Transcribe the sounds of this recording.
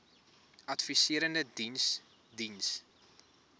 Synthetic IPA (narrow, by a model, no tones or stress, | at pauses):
ɐtfisiəɾəndədins | dins